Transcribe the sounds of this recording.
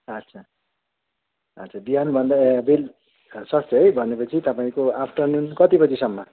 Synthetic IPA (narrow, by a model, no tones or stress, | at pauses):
ʌtt͡sʰa | ʌt͡sʰabiɦanbʱʌnd̪abel | sʌst̪ʌɦʌjbʱʌnepʌt͡sʰit̪ʌpaĩkoapʰʈʌrnunkʌt̪ipʌt͡sʰisʌmːʌ